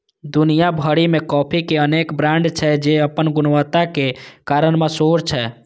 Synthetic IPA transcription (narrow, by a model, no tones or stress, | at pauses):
d̪unijabʱəɽimẽkɔːpʰikeənekbɾãɳɖt͡ʃʰɛd͡ʒeəpənɡʊnwət̪akekaɾənmẽsoɾt͡ʃʰɛ